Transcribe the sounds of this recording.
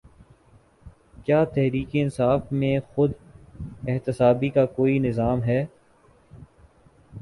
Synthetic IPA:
kjaːt̪ɛɦɾiːkeɪnsaːfmẽxʊd̪ | ɪɦt̪ɪsaːbikakoːinɪzaːmɦɛː

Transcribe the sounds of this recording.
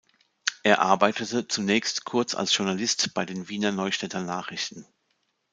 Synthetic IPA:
ʔeːɐʔa̰ɐbaɪtətət͡sunɛːçstkʰʊɐt͡sa̰lsʒ̥ʊɐnalɪstb̥aɪdeːnviːnɐnɔʏʃtɛtʰɐnaːχʁ̥ɪçtn̩

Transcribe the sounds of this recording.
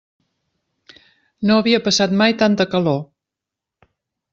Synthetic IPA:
noəβiəpəsat̪majt̪ant̪əkəlo

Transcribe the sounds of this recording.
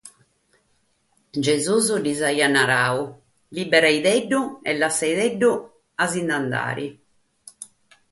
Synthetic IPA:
d͡ʒezuzud̪izajanːaɾaːu | libɛɾajðɛɖːuɛlːasːajðɛɖːu | azind̪and̪a̰ːɾḭ

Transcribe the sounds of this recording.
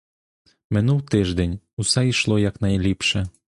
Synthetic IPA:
mɪnuwt̪ɪʒd̪ɛnʲ | usɛiʃlˠɔjaknɐjlʲipʃɛ

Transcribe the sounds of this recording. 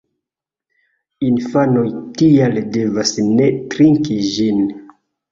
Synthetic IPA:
infano̞jtialde̞vasne̞tɾiŋkid͡ʒin

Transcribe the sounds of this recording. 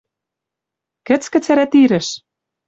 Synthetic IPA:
kɘ̆t͡skɘ̆t͡sæɾæt̪iɾɘ̆ʃ

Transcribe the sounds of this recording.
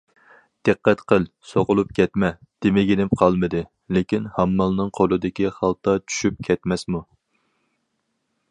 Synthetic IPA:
d̪̥ɨqːɛt̪qʰəlˠsoʁʊlˠup̚kʲʰɛt̪mɛ | d̪̥ɪmɪɡʲenɪpqʰɑlˠmɨd̪ɨ | lekʲinhɑmːɑlˠnɨŋqʰolˠɨd̪ɪkʲiχɑlˠt̪ɑt͡ʃʰy̥ʃyp̚kʲʰɛt̪mɛsmu

